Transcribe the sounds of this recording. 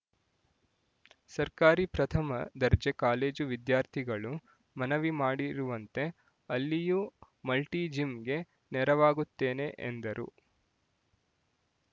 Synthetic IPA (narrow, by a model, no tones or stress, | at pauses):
sɐɾkaːɾipɾɐt̪ʰɐmɐ̰d̪ɐɾd͡ʒekaːle̞ːd͡ʒuʋid̪jaːɾt̪ʰiɡɐɭu | mɐnɐʋimaːɽiɾuʋɐnt̪e̞ | ɐlːiju | mɐlʈiːd͡ʒimɡe̞ | nɛɾɐʋaːɡut̪ːeːne̞ʔḛnd̪ɐɾṵ